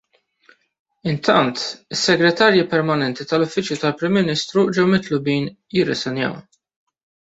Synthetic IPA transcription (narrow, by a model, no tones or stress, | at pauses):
ɪnt̪ɐnt̪ɪsːɛɡɾɛt̪ɐːɾjipɛɾmɐnɛnt̪it̪ɐlʊfːɪt͡ʃjut̪ɐlpɾɪmːɪniːst̪ɾud͡ʒɛwmɪt̪lʊbiːn | jɪrːɛsɛnjɐ̰w